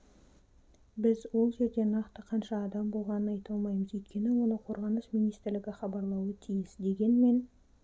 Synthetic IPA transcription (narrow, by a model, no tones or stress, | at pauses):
bɪzwo̞lˠʒe̞ɾd̪e̞nɑqt̪əqʰɑnʃɑːd̪ɑmbo̞lˠʁɑnənɑjt̪ɑlˠmɑjməzɵjt̪̚kʲe̞nɪwo̞nəqʰo̞ɾʁɑnəsminijst̪ɪɾlɪɡʲɪχɑbɑɾlˠɑwət̪ʰijɪsd̪e̞ɡʲe̞nme̞n